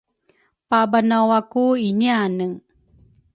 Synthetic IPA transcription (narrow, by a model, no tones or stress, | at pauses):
pabanawakuinianəŋ